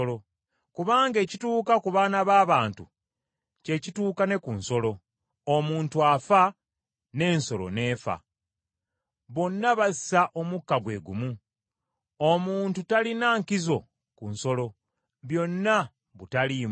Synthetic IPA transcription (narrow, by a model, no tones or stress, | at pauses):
lo | kuβaːŋɡe̞ːcituːkakuβaːnaβaːβaːntu | ce̞cituːkane̞kunso̞lo̞ | omuːntuafa | ne̞ːnso̞lo̰ne̞ːfa̰ | βo̞nːaβasi̥saʔo̞mukːaɡwe̞̰ːɡṵmu | omuːntutalinaːŋkizo̞ | kunso̞lo̞ | βjo̞nːa | βutalim